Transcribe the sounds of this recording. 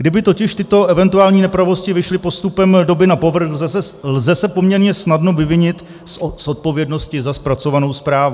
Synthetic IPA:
ɡdɪbɪt̪o̞cɪʃt̪ɪt̪o̞ʔɛvɛnt̪uaːlɲiːnɛpɾavo̞scɪvɪʃlɪpo̞st̪upɛmdo̞bɪnapo̞vr̩xlzɛsɛlzɛsɛpo̞mɲɛɾɲɛsnadno̞vɪvɪɲɪt̪ | sso̞t̪̚po̞vjɛdno̞scɪzaspɾat͡so̞vano̞wspɾaːvu

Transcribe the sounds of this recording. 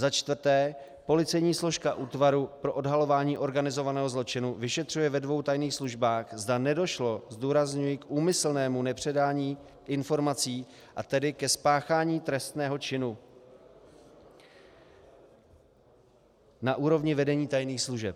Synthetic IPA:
zat͡ʃt̪vrt̪ɛː | po̞lɪt͡sɛjɲiːslo̞ʃkaʔuːt̪vaɾupɾoʔo̞dɦalo̞vaːɲiːʔo̞ɾɡanɪzo̞vanɛːɦo̞zlo̞t͡ʃɪnuvɪʃɛt̪r̝̥ujɛvɛdvo̞wt̪ajniːxsluʒbaːxzdanɛdo̞ʃlo̞zduːɾazɲujɪkʔuːmɪsl̩nɛːmunɛpr̥ɛdaːɲiː | ʔɪnfo̞ɾmat͡siː | ʔat̪ɛdɪkɛspaːxaːɲiːt̪ɾɛst̪nɛːɦo̞t͡ʃɪnu | naʔuːɾo̞vɲɪvɛdɛɲiːt̪ajniːxsluʒɛp̚

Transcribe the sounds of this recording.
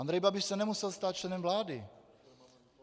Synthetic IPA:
and̪ɾɛjbabɪʃsɛnɛmusɛlst̪aːt̪̚t͡ʃlɛnɛmvlaːdɪ

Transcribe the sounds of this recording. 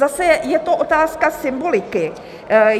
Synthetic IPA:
asɛjɛt̪o̞ʔo̞t̪aːskasɪmbolɪkɪ

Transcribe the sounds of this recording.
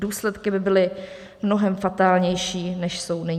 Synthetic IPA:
duːslɛt̪kɪbɪbɪlɪ | mnoɦɛmfat̪aːlɲɛjʃiːnɛʃso̞wnɪɲ

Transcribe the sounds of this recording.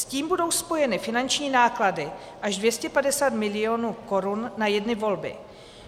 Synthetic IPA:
sciːmbudo̞wspo̞jɛnɪfɪnant͡ʃɲiːnaːkladɪ | ʔaʒdvjɛscɛpadɛsaːt̪mɪlɪoːnuːko̞ɾunːajɛdnɪvo̞lbɪ̰

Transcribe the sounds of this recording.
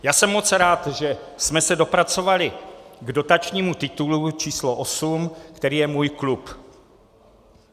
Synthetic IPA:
jaːsɛmːo̞t͡sɾaːt̪ʒɛsmɛsɛdo̞pɾat͡so̞valɪɡdo̞t̪at͡ʃɲiːmut̪ɪt̪ulut͡ʃiːsloʔosumkt̪ɛɾiːjɛmuːjklup

